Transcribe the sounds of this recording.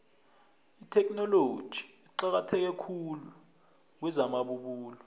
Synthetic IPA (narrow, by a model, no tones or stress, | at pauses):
itʰɛkʼnɔlod̥ʒ̥ʱi̥iǀak̬atʰɛk̬ɛkʰulu | k̬wɛzamaɓuɓuːlɔ